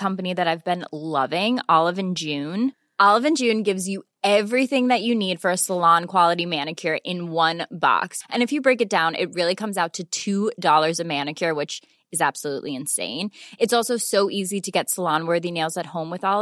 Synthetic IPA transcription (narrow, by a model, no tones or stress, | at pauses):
kʰʌ̃mpɨniðɨɾaɪvbɨ̃nlʌvɪ̃ŋɔlˠəvɨ̃nd͡ʒʉ̃n | ʔɑlˠəvɨ̃nd͡ʒʉ̃nɡɪvzjɨ | ɛvɹiθɪ̃ŋðɨt͡ʃɨnid̥fə˞ɨsəlɑ̃nkʰw̥ɑlˠəɾimænɨkʰjə˞ʔɪ̃nwʌ̃nbɑ̰ksʔɨ̃nɨfjɨbɹeɪkɨt̚d̥ãʊ̃nʔɪ̰t̚ɹɪlˠikʰʌ̃mzaʊtʰɨtʰʉdɔlˠə˞zʌmæ̃nɨkʰjə˞wɨt͡ʃ | ɨzæb̥səlṵʔliɨ̃nsḛ̃ɪ̃nɨtsɔlˠsoʊsoʊʔiziɾɨɡɛtsəlɑ̃nwɜ˞ðineɪlˠzɨt̚hõʊ̃mwɨðɔlˠə